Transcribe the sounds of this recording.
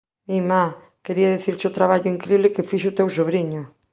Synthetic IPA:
mima | keɾiaðeθiɾsot̪ɾaβaʎʊiŋkɾiβlɪkefiʃʊt̪ewsoβɾiɲʊ

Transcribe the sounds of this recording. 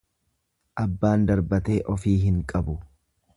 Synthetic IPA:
ʔɐbːaːnd̪ɐɾbɐt̪e̞ːʔɔfiːɦɪŋkʼɐbʊ

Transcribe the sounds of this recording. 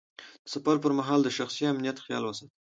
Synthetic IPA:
d̪̥əsafaɾp̬əɾmaɦɑld̪əʃaxsiamnijat̪xjɑ̰lwasat̪̚

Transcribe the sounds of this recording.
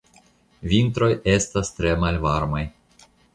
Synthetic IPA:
vint̪ɾo̞je̞stast̪ɾe̞malvaɾmaj

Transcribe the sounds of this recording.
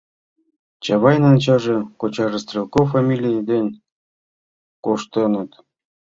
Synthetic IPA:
t͡ɕɑβɑjnɑnt͡ɕɑʐĕkot͡ɕɑʐɤst̪rʲelˠkofamʲilʲijd̪enʲ | koʂt̪ɤnɤ̆t̪

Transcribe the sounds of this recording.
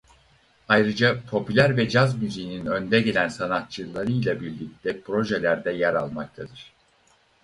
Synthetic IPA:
ajɾɯd͡ʒapʰo̞pylʲæɾvɛd͡ʒazmyzejininø̞nd̪ɛɟe̞lʲænsanat̪̚t͡ʃʰɯlˠaɾɯjlˠabiɾlʲic̚t̪ʰɛpʰɾo̞ʒɛlʲæɾd̪ɛjæɾalˠmak̚t̪ʰad̪ɯɾ̥

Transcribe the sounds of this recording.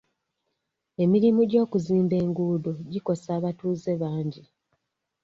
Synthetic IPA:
e̞miɾimuɟo̞ːkuziːmbe̞ːŋɡuːdoɟiko̞saːβatuːze̞βaːɲɟi

